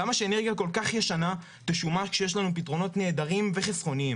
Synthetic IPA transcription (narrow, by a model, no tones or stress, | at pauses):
amaʃe̞ːneʁɡjako̞lkaχjeʃana | teʃumakʃejeʃ̬lanupitʁo̞no̞tne̞ːdaʁimve̞χesχo̞niim